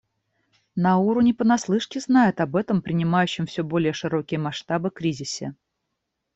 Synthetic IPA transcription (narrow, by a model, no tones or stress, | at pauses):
nɐuɾʊnʲɪpənɐslˠɨʂkʲɪznajɪt̪ɐbɛt̪əmpɾʲɪnʲɪmajʉɕːɪmfsʲɵbo̞lʲɪjəʂɨɾo̞kʲɪjəmɐʂt̪abɨkɾʲizʲɪsʲɪ̰